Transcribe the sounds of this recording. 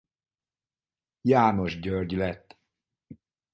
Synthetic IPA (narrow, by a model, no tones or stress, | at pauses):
jaːno̞ʒɟørɟlɛt̪ː